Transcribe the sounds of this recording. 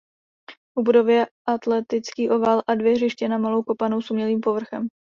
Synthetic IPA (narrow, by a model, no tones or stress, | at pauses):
ʔubudo̞vjɛʔat̪lɛt̪ɪt͡skiːʔo̞valʔadvjɛrɪʃcɛnamalo̞wko̞pano̞wsumɲɛliːmpo̞vr̩xɛm